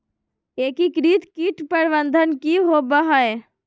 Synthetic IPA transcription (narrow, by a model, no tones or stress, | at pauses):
eːkikɾiːt̪kiʈpəɾʋənd̪ʱənkiɦoːbɐɦae